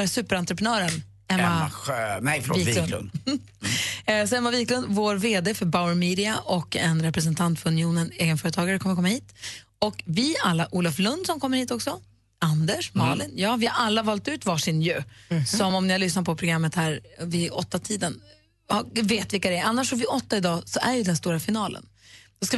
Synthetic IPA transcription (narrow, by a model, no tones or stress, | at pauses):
sʉ̟ːpəɾant̪ɾəpɾənœːɾən | ɛmːaaɛfviːl̰n | sɔɛmːaviːklɵnd̪voːɾveːd̪eːfœɾbaʊəɾmiːd̪ɪaʔɔkɛ̰nɾɛpɾɛs̬ɛnt̪ʰant̪fœɾɵnɪuːnəneːɡənfœːɾət̪ʰɑːɡaɾəkʰɔməɾkʰɔmːahiːt̪ | ɔkvɪalːaʔuːlaflɵnd̪sɔmkʰɔmːəɾhiːt̪ɔksɔ | and̪ɛʂmɑlɪnjɑːvɪhaɾʔalːavɑːlt̪ʉ̟ːt̪vɑːʂɪnjʉːsɔmɔmnɪhalʏsnat̪̚pʰɔpʰɾʊɡɾamːət̪hæːɾvɪɔt̪ːat̪ʰiːd̪ən | haveːt̪vɪlkːad̪ɛanːaʂɔvɪʔɔt̪ːaɪd̪ɑːsɔʔæɾjɵd̪ɛnst̪uːɾafɪnɑːlə̰n | d̪̥ɔska